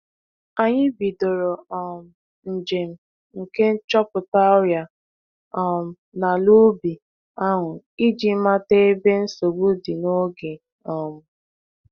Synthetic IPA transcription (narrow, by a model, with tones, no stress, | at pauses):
a˨ɲɪ˦bi˨do˨ɾo˨ɔ˨m̩˨ | n̩˨d͡ʒe˨m̩˨ | ŋ̩˨ke˦n̩˦t͡ʃɔ˦pʊ˨ta˦ʊ˦ja˨ | ɔ˨m̩˨ | na˨lu˦bi˨ | a˦ŋʊ˨ | i˦d͡ʒi˨˦ma˦te˦e˦be˦n̩˦so˨bu˦di˨no˦ɡe˨ | ɔ˨mʊ˦